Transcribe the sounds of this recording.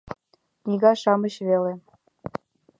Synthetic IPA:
nʲiɣɑʃɑmə̆ɕβele

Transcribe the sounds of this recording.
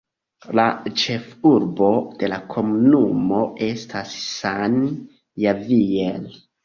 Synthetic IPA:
lat͡ʃe̞fuɾbo̞d̥e̞lakʰo̞munumo̞ʔe̞stʰasːan | javiel

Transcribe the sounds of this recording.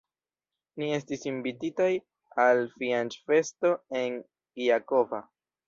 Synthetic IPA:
nie̞stisinbititaj | alfiant͡ʃfe̞sto̞e̞n | iako̞va

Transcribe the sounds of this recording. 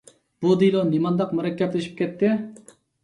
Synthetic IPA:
b̥ud̪ilˠonimɑnd̪ɑqmuɾɛkʲːɛt̪lɪʃi̥p̚kʲɛt̪ːɪ

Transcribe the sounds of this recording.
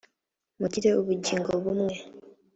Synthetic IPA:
muciɾeoβuɟiːŋɡoβumwe

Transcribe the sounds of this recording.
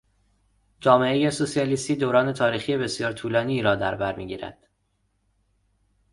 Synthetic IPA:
d͡ʒɒːme̞ejesosijɒliːst̪iːd̪oːɾɒːne̞t̪ʰɒːɾiːxiːje̞be̞sijɒːɾt̪ʰuːlɒːniːɾɒːd̪æɾbæɾmiːɟiːɾæ̰d̪̥

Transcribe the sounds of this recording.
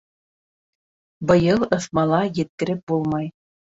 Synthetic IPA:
bɤ̆jɤlˠɤ̆θmɑlˠɑjɘ̆t̪̚kɘ̆ɾɘp̚bulˠmɑj

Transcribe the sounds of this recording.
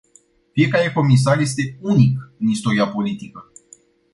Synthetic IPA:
fije̞kaɾe̞ko̞mis̬arje̞s̬t̪e̞unikɨnist̪o̞ɾiapo̞lit̪ikə

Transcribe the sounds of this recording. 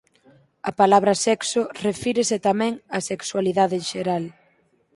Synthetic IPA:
ɐpalaβɾɐsɛksʊrefiɾeset̪amɛ̃ŋɐsekswaliðaðɪnʃeɾal

